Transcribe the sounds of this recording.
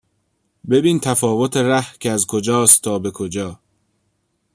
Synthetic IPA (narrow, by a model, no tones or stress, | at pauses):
be̞biːnt̪ʰæfɒːvot̪ʰeɾæhcʰeæzkʰod͡ʒɒːst̪ʰːɒːbe̞kʰod͡ʒɒː